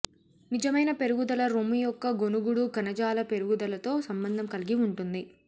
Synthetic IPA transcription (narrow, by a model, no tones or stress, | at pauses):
nid͡ʒɐmɐjnɐpe̞ɾuɡud̪ɐlɐɾomijɔkːɐɡo̞nuɡuɽuɡɐnɐd͡ʒaːlɐpe̞ɾuɡud̪ɐlɐt̪o̞ːsɐmbɐnd̪ʱɐmkɐliɡiuɳʈund̪i